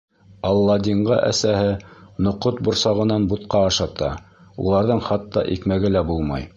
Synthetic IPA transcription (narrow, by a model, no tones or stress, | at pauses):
ɑlˠːɑd̪ʲiɴʁɑʔæ̰sæhɘnŏqot̪̚bŏɾsɑʁɤ̆nɑnbut̪̚qɑːʃɑt̪ɑ | ṵlˠɑɾðɤɴχɑt̪ːɑʔikmæɡɘlæbulˠmɑ̰j